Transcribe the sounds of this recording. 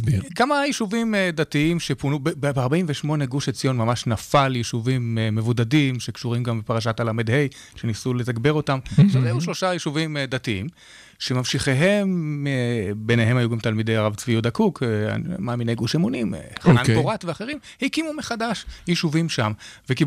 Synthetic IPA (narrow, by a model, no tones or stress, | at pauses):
bikamajiʃuvimd̪atiimʃepunubbbaʁbaimveʃmo̞ne̞ɡuʃet͡sijo̞nmamaʃnafaljiʃuvimːe̞vudadimʃe̞kʃuʁimɡambepaʁaʃ̬atalamed̪he̞j | ʃe̞nisuletakbe̞ʁo̞tamaχʃavzajuʃlo̞ʃajiʃuvimd̪atiim | ʃe̞mamʃiχeɦe̞mebenehe̞majuɡamt̪almidejaʁavt͡svijud̪akuka̰maminejɡuʃemunimχananɡoʁatveaχeʁim | hikimumeχadaʃjiʃuvimʃamveki